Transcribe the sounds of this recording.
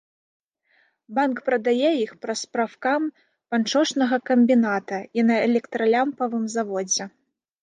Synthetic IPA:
bankpɾɐd̪ajɛixpɾɐspɾafkam | pant͡ʂɔʂnɐɣɐkɐmʲbʲinat̪ɐinɐɛlʲɛkt̪ɾɐlʲampɐvɨmzavɔd͡zʲɛ

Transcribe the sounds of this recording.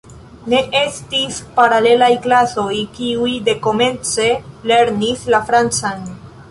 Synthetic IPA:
ne̞ʔe̞stispaɾale̞lajklaso̞jkiujde̞ko̞me̞nt͡se̞le̞ɾnislafɾant͡san

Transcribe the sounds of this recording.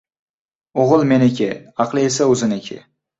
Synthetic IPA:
oʁɨlˠmenɪkʲɪɑqlˠɪesaɵzɪnɪkʲʰɪ̰

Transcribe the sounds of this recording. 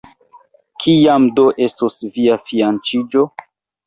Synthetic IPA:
kʰijamdo̞ʔe̞stosviafiant͡ʃid͡ʒo̞

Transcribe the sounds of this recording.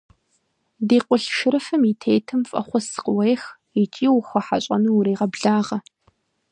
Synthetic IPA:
diːqʷʊɬʃɪɾɨfɐmitʰeːjtʰɨmfʼɐ̰χʷɔsqʊwɐjx | it͡ʃʼiːwʊxʷɐħa̰ɕʼɐ̰nuːɾiːʁɐbɮaːʁɐ

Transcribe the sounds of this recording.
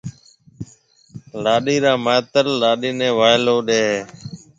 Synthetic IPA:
laːɗiːɾaːmaːt̪əlːaːɗiːnẽːʋaːɪloːɗeːɦeː

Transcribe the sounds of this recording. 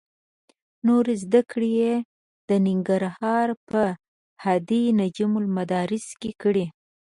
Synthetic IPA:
noɾezd̪akɽeje | d̪̥ənɪŋɡaɾhɑɾpə | had̪inad͡ʒimʊlmad̪ɑɾɪskekəɽi

